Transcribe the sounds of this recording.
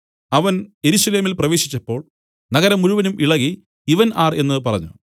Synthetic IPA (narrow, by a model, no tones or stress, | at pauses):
ɐʋɐne̞ɾuɕɐle̞ːmilprɐʋe̞ːɕi̥t͡ɕːɐpːo̞ːɭ | nɐɣɐɾɐmuɻuʋɐnumʔiɭɐɣi | iʋɐnaːre̞nːɨpɐrɐ̰ɲːṵ